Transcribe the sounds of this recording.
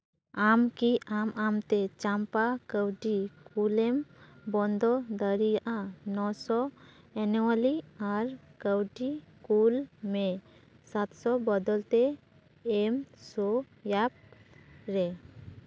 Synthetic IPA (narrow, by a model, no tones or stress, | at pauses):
amkiamamt̪ɛt͡ʃampakəwʈikulɛmbɔnd̪ɔd̪əɾijaʔanɔsɔ | ɛnuwaliaɾkəwʈikulme | sat̪sɔbɔd̪ɔlt̪ɛː | msɔ | jap̚ɾɛ